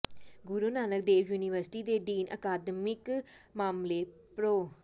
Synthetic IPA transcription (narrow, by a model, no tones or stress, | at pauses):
ɡʊɾuːnaːnək̚d̪eːʋjuːniʋəɾsʈiːd̪eːɖ̪iːnʔə̰kaːd̪mɪkmaːmleːpɾoː